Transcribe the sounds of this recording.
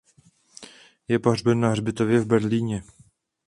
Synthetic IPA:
jɛparbɛnːaɦrbɪt̪ovjɛvbɛɾliːɲɛ

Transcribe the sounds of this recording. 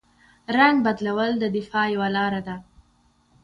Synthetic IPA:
ɾaŋɡ̚bad̪lawəld̪əd̪ɪfɑjawalɑɾad̪a

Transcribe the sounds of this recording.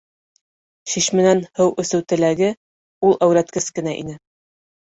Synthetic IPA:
ɕiɕmɘ̆nænhɘwʔɵ̆sɘ̆wt̪ɘ̆læɡɘ | ulˠʔæwɾæt̪kɘskɘ̆næʔḭnɘ

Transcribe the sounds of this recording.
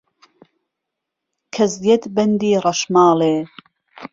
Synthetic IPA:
kʰɐzjɐt̪bɐnd̪iːrɐʃmɑːleː

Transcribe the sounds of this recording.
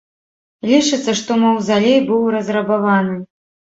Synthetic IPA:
lʲit͡ʂɨt̪sːɐʂt̪ɔmɐwzalʲejbɨwɾɐzrɐbavanɨ

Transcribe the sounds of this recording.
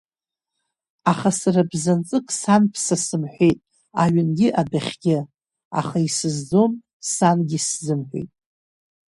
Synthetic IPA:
aχasarabzant͡sʼɨkʼsanpʰsasɨmħʷejtʼ | aɥɪnɡʲɪʔadaχʲɡʲɪ | a̰χaisɨzd͡zo̞m | sanɡʲɪszɨmħʷᶣḛjtʼ

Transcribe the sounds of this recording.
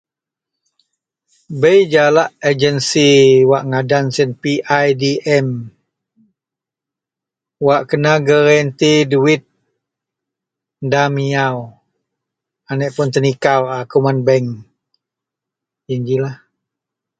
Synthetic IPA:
bəjd͡ʒalaʔəd͡ʒənsiwaʔŋadansinpiʔajdiʔɛm | waʔkənaɡəɾɛnt̪iduit̪̚ | damiaw | anəʔpʊnt̪ənikawakumanbɛŋ | iɲd͡ʒilah

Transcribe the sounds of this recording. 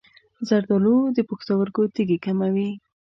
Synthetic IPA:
zaɾd̪ɔlod̪əpuxt̪awəɾkot̪iɡekamawi

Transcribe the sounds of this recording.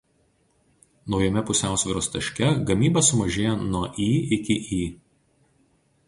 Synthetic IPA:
nɒʊjɛmʲɛpʊsʲæˑʊsʲʋʲɪɾoːst̪ɐʃʲkʲɛɡɐmʲiːbɐsʊmɐʒʲeːjɛnuɔʔiːɪkʲɪʔiː

